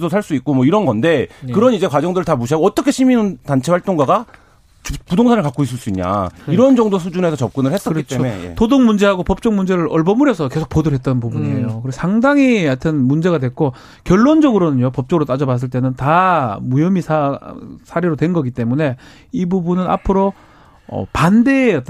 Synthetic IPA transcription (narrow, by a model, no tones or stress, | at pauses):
sosʰaɭs͈uit̚k͈omʌiɾʌnɡʌnde̞kɯɾʌnid͡ʑe̞kwad͡ʑʌŋdɯɾɯɭtamuɕ̬ʰiaɡoʌt͈ʌkʰe̞ɕʰiminɯntant͡ɕʰe̞waɭt͈oŋɡwaɡa | t͡ɕɯpudoŋsʰanɯɭkak͈ois͈ɯɭs͈uiɲɲa̰iɾʌnd͡ʑʌŋdos̬ʰud͡ʑunɦe̞sʰʌt͡ɕʌp̚k͈ɯnɯɭhes͈ʌɯɾitt͡ɕ͈eomḛtodoŋmund͡ʑe̞ɦaɡopʌp̚t͡ɕ͈ʌŋmund͡ʑe̞ɾɯɾʌɭbʌmuɾjʌsʰʌke̞sʰo̥k̚p͈odɯɾɦe̞t̚t͈ʌnpubunɲiejokɯɾesʰaŋdaŋiatʰɯnmund͡ʑe̞ɡadwe̞k̚k͈o | kjʌɭːond͡ʑʌɡɯɾonɯɲopʌp̚t͡ɕ͈ʌɡɯɾot͈ad͡ʑʌbas̬͈ɯɭt͈e̞nɯntamujʌmisʰasʰaɾeɾodwe̞nɡʌɡit͈e̞mune̞ | ibubunɯna̰pʰɯɾo | ʌ̰pande̞ʌt͈